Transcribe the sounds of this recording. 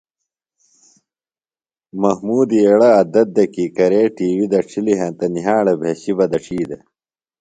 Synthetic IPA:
mɐhmuːd̪ieɽɐɐd̪ɐt̪̚d̪ɐkiːkɐɾeːʈiːwid̪ɐʈ͡ʂʰiliɦɐ̃nt̪ɐniɦaːɽɐbʱeɕibɐd̪ɐʈ͡ʂʰiːd̪ɐ

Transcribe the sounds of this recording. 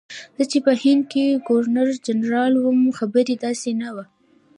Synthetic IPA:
d̪̥ɑt͡ʃepəhɪnd̪̚keɡoɾnaɾd͡ʒanɾɑlwʊmxabəɾed̪ɑsenawa

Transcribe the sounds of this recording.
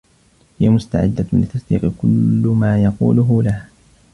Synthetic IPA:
hɪjamʊst̪a̰ʕɪd̪ːalɪt̪ːɑsd̪iːqkʊlːmaːjɑqṵːlʊɦʊlah

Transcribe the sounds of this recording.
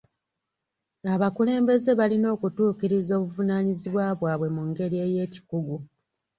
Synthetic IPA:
aβakule̞ːmbe̞ze̞βalino̞ːkutuːciɾizo̞ːβuvunaːɲiziβwaːβwaːβwe̞muŋɡe̞ɾie̞ːje̞ːci̥kuɡu

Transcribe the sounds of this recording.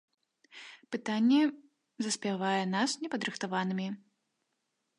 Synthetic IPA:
pɨt̪anʲːɛ | zɐsʲpʲavajɛnasnʲɛpɐd̪ɾɨxt̪avanɨmʲi

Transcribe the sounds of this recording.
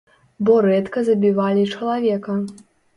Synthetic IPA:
bɔɾɛt̪kɐzɐbʲivalʲit͡ʂɐlˠavʲɛkɐ

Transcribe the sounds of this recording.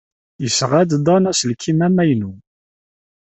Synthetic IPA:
jəsʁæd̪d̪ˤɑnæsəlkʰimæmæjnu

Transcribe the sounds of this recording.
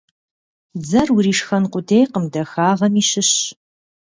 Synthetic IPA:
d͡zɐrwuriːʂxɐnqʷʊdʰejqəmdɐxaːʁɐmiːɕɪɕ

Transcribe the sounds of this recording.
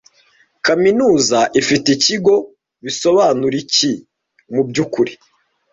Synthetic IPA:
kaminuːzaʔifiticiɡo̞ | βiso̞βaːnuɾici | mubɟuːkuɾi

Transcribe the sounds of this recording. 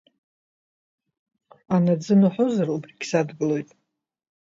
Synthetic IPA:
anad͡zɨnuħozarubriɡʲsadɡɨlo̞jtʼ

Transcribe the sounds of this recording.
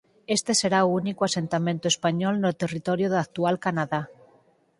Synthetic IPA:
e̞st̪e̞se̞ɾaunikoase̞nt̪amẽnt̪oe̞spaɲolnelt̪erit̪o̞ɾjoðak̚t̪ualkanaða

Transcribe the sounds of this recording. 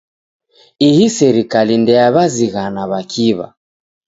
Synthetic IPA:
ihisɛɾikalindɛaβaziɣanaβakʰiβa̰

